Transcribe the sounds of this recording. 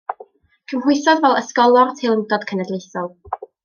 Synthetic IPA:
kʰəmhʊɨsɔdvɛlˠəskɔlˠɔrtʰejlˠəmdɔd̥kʰənɛdlˠejθɔlˠ

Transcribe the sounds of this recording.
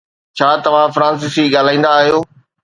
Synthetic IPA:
t͡ɕʰaːt̪ɐʋ̤ãfɾãːns̬ɪsiɠaːl̤aːĩːnd̪aːɦijoː

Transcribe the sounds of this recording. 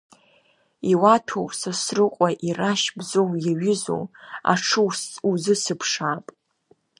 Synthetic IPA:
iwatʰowsɨsrɨqʷʼaʔiraʃbzowjaɥɪzo̰wa̰ʈ͡ʂʰɨwsuzɨsɨpʰʂaːpʼ

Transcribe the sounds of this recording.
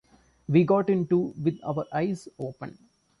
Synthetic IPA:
ʋiːɡɔːʈɪ̃ɳʈuʋɪd̪a̰ʊʋəɾʔaɪzoːpə̰̃n

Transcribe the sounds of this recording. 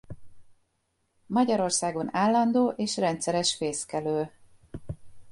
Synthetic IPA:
mɒɟɒɾo̞rsaːɡo̞naːlːɒnd̪oːʔeːʃrɛnt̪sɛɾɛʃfeːskɛløː

